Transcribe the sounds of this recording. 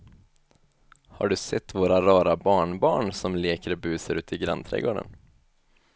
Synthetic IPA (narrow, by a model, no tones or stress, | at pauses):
ha̰ɖɵsɛt̪ːvoːɾaɾɑːɾabɑːɳbɑːɳsɔmleːkəɾbʉːseɾʉ̟ːt̪ɪɡɾa̰nt̪ʰɾɛ̰ːɡoːɖə̰n